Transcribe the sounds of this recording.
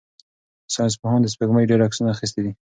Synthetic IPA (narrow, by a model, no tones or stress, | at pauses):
sɑns̬pʊhɑnd̪əs̬peɡmajɖeɾaksunaːxis̬t̪ed̪i